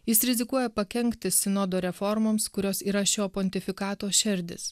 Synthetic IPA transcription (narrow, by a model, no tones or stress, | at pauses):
jɪsɾʲɪzʲɪkuɔjɛpɐkʲɛŋʲkt̪ʲɪsʲɪnoːd̪oːɾʲɛfɔɾmoːmskʊɾʲoːsiːɾɐʃʲoːpɔnʲt̪ʲɪfʲɪkɑːt̪oːʃʲɪɾʲd̪ʲɪ̰s